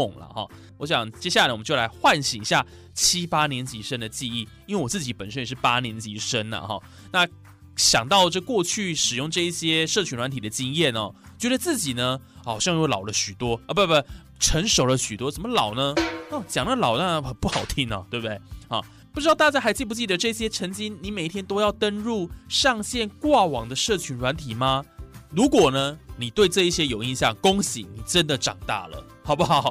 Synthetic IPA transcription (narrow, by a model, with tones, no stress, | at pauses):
ʊ˥˩ŋlɐ̰˩xɔ̰˥˩ | wɔ˧˥ɕ̬jɑ˨˩ŋt͡ɕjɛ˥ɕa˥˩la˨˩wm˦t͡ɕjo˥˩la˧˥ɪxwa˥˩nɕi˨˩ŋi˧˥ɕja˥˩ | t͡ɕʰi˥pa˥njɛ˧˥nt͡ɕi˧˥ʂə˥nd̪ə˨t͡ɕi˥˧i˥˩i˥nwe˥˩wɔ˨˩t͡sɹt͡ɕi˧˥pə˨˩nʂə˥njɛ˨˩ʂɻ̩˥˩pa˥njɛ˧˥nt͡ɕi˧˥ʂə˥nlɐ̰˨xɔ̰˥˩ | na˥˧ | ɕjɑ˨˩ŋt̪ɑ˥˧ʊʈ͡ʂɤ˥˧kwɔ˥˧t͡ɕʰy˥˩ʂɻ̩˨˩jʊ˥˧ŋʈ͡ʂɤ˥˧i˥˩ɕjɛ˥ʂɤ˥˩t͡ɕʰy˧˥nlwa˧˥nt̪ʰi˨˩d̪ə˦t͡ɕi˥ŋjɛ˥˩nɐ̰˨˩t͡ɕɥɛ˧˥d̪ə˧t͡sɹ̩˥˩t͡ɕi˨˩nə˦xɑ˨˩ʊɕjɑ˥˧ŋjo˥˩lɑ˨˩ʊlə˦ɕy˨˩t̪wɔ˥ə˧we˥˩a˥˩ | ʈ͡ʂʰə˧˦˥nʂo˨˩ʊlə˦ɕy˨˩wɔ˥ʂə˨˩mə˧lɑ˨˩ʊnə˦ɔ˥˩t͡ɕjɑ˨˩ŋna˥˩lɑ˨˩ʊna˥xə˨˩pu˥˩xɑ˨˩ʊt̪ʰi˧˥˦ŋɐ̰˨˩t̪we˥˩ɪbd̪e˥˩ɪxɑ̰˨˩ | pu˥˩ɻ̩˥ɑ˥˧ʊt̪a˥˧t͡ɕja˥˩xa˧˥ɪt͡ɕi˥˧˩pu˧t͡ɕi˥˩d̪ə˩ʈ͡ʂɤ˥˧i˥˩ɕjɛ˥ʈ͡ʂʰə˧˥ŋt͡ɕi˥nni˧˥me˨˩ɪi˧t̪ʰjɛ˥nt̪o˥ʊjɑ˥˩ʊt̪ə˥nɻu˥˧ʂɑ˥˧ŋɕjɛ˥˧nkwa˥˩wɑ˨˩ŋd̪ə˨˦ʂɤ˥˩t͡ɕʰy˧˥nɻwa˧˥nt̪ʰi˨˩ma˧ɻu˧˦˥kwɔ˨˩nə˦ni˨˩t̪we˥˧ɪʈ͡ʂɤ˥˧i˥˩ɕjɛ˥jo˨ʊi˥˧nɕjɑ˥˨ŋkʊ˥ŋɕḭ˨˦ni˨˩ʈ͡ʂə˦˥nd̪ə˨ʈ͡ʂɑ˨˩ŋt̪a̰˥˩lə̰˩ | hɑ˨˩ʊpu˦˩xɑ˨˩˨ʊ